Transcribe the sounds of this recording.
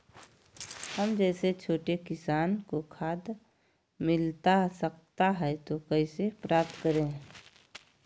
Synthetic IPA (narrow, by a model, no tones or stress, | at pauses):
həmd͡ʒɛːset͡ʃʰoːʈekɪsaːnkokʰaːd̪ | mɪlt̪asək̚t̪aɦɛt̪okəisepɾaːp̚t̪kəɾẽː